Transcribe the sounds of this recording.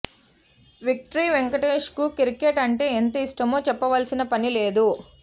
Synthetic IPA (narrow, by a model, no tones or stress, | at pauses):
ʋik̚ʈɐɾiːʋeŋkɐʈeːʂkukiɾikeʈɐɳʈe̞ːent̪ɐisʈɐmo̞ːt͡ʃɛpːɐʋɐlsinɐpɐnile̞ːd̪u